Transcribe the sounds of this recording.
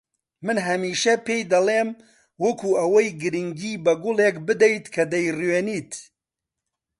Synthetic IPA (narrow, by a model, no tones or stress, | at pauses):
mɨnɦɐmiːʃɐpejd̪ɐlˠeːm | wɐkʰuɐwɐjɡɨɾɨŋɡiːbɐɡʊlˠekbɨd̪ɛjt̪kʰɐd̪ɐjrweːniːt̪